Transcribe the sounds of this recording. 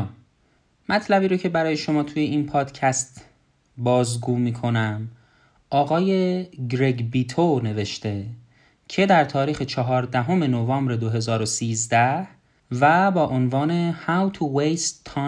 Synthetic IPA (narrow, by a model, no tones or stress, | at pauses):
mæt̪ʰlæbiːɾocʰe̞bæɾɒːje̞ʃo̞mɒːt̪ʰuje̞inpʰɒːd̪̥cʰæst̪ | bɒːzɡuːmiːkʰo̞næm | ʔɒːɣɒːje̞ɡɾe̞ɟbiːt̪ʰone̞ve̞ʃt̪e̞ | cʰe̞d̪æɾt̪ʰɒːɾiːxe̞t͡ʃʰɒɦɒːɾd̪æɦo̞me̞novɒːmbɾe̞d̪oɦe̞zɒːɾosiːzd̪æh | væbɒːʔonvɒːne̞hæwt̪ʰuwejst̪ʰːɒ